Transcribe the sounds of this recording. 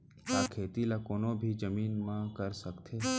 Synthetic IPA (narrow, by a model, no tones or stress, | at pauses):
aːkʰeːt̪ilakoːnobʱid͡ʒəmiːnmãkəɾsəkt̪ʰeː